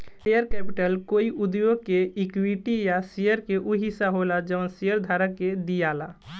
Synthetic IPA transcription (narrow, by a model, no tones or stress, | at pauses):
ejəɾkɛpiʈəlkoːiʔud̪joɡ̚keikwiʈijasijəɾkeʔuɦisaɦolad͡ʒəʊnsijəɾd̪ʱaːɾəkːed̪ijala